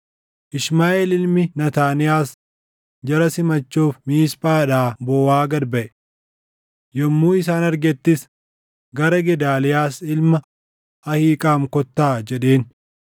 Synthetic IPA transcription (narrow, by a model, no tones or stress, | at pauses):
ʔɪʃmaːʔɛlɪlmɪnɐt̪aːnɪjaːs | d͡ʒɐɾɐsɪmɐt͡ʃːuːfmiːspʼaːᶑaːbɔːwaːɡɐdbɐʔɛ | jɔmːuːɪs̬aːnɐɾɡɛt̪ːɪs | ɡɐɾɐɡɛd̪aːlɪjaːsɪlmɐ | ɐhiːkʼaːmkɔt̪ːaːd͡ʒɛᶑe̞ːn